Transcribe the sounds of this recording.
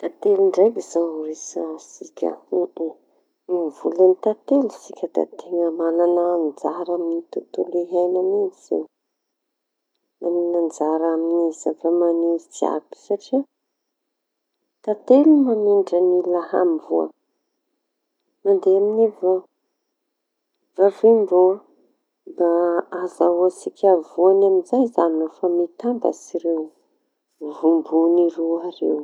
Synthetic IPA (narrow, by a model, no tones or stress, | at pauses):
t̪at̪eluɳɖ͡ʐajɡizauɾisasikʲə̰uʔ | ivulanit̪at̪elusikʲəd̪̥a̰t̪ʰeŋəmalanand͡zaɾaminit̪ut̪uleɦajnamizḛ | maninand͡zaɾaminizavamaniɾid͡zia̰bi̥saʈ͡ʂi | t̪at̪elumamiɳɖ͡ʐənilaha̰mbuə̰ | nand̪eaminiva | vaviɳbuə | baazaasikʰʲavuanaminzajzannofamit̪ambə̰siɾew | vumbuniruaɾḛw